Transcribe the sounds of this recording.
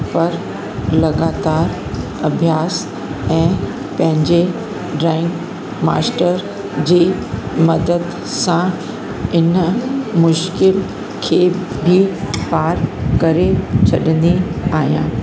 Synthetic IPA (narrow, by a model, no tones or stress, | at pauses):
pɐɾ | lɐɡaːt̪aːɾ | ɐbʱjaːs | ɛ̃ː | pɐ̃ɦɪ̃ɲd͡ʑe | ɖɾɛ̃ːŋk | ma̰ːsʈəɾ | d͡ʑeːmɐd̪əd̪ | sã | ɪnmʊʃkɪl | kʰeːbʱipaːɾkɐɾet͡ɕʰɐɗə̃nd̪iaːɦijã̰ː